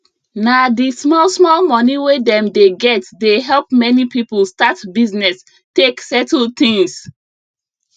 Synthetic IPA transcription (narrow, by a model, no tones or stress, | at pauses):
nadismɔlsmɔlmɔniwedɛ̃mdeɡɛtdeɦɛlˠpmɛnipipəlstatbiznɛs | teksɛtəl̩t̪ĩŋs